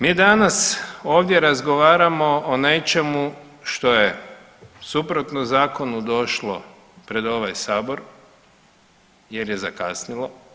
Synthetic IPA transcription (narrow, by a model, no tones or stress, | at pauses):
miːd̪anasoːʋd̪je̞ɾazɡoʋaːɾamo̞ːne̞t͡ʃe̞mu | ʃt̪o̞je̞ | supɾot̪nozaːko̞nud̪o̞ʃlˠo̰ | pɾe̞d̪o̞ʋajsaːbo̞ɾ | je̞ɾje̞zakasnilˠo̞